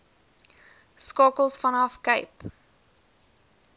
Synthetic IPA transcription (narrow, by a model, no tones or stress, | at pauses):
skɑːkəlˠsfɐ̃nɑfkəɪp